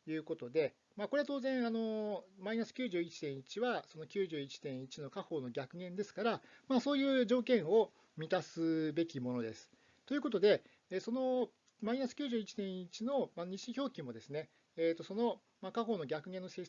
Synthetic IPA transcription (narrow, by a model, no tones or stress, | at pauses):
jɯ̟ːko̞t̪o̞d̪e̞ | mako̞ɾe̞at̪o̞ːzẽ̞ɰ̃ano̞mainasɨ̥kʲɨːʑɨːit͡ɕi̥t̪ẽɰ̃it͡ɕiβaso̞no̞kʲɨːʑɨːit͡ɕi̥t̪ẽɰ̃it͡ɕino̞kaho̞ːno̞ɡʲakɯ̟ɡẽ̞nd̪e̞sɨ̥kaɾamaso̞ːjɯ̟ːʑo̞ːkẽ̞ɰ̃o̞ | mʲit̪asɨbe̞kʲimo̞no̞d̪e̞̰sɨ̥ | t̪ojɯ̟ko̞t̪o̞d̪e̞ː | so̞no̞ | mainasɨ̥kʲɨːʑɨːit͡ɕi̥t̪ẽ̞ɰ̃it͡ɕino̞maɲ̟iɕĩçʲo̞ːkʲĩmo̞d̪e̞sɨne̞ː | t̪ːo̞so̞no̞ | makaho̞ːno̞ɡʲakɯ̟ɡẽ̞nːo̞se